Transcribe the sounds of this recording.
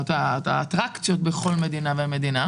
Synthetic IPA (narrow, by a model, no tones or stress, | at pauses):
t̪at̪aːt̪ʁakt͡sijo̞tbeχo̞lme̞d̪inaveme̞d̪ina